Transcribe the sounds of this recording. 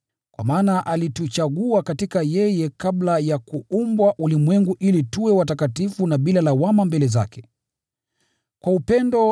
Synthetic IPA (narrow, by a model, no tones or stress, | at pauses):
kwa̰maːnaʔalitut͡ʃaɠuakatikajɛjɛkablajakuumbwaʔulimwɛŋɡuʔilituwɛwatakatifunaɓilalawamambɛlɛza̰kɛ̥ | kwaupɛndɔ